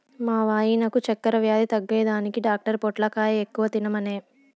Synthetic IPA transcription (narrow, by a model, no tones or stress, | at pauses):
maːʋaːjinɐkut͡ʃɛkːɐɾɐʋjaːd̪it̪ɐɡːeːd̪aːnikiɖaːk̚ʈɐɾpɔʈlɐkaːjɐekːuʋɐt̪inɐmɐne̞ː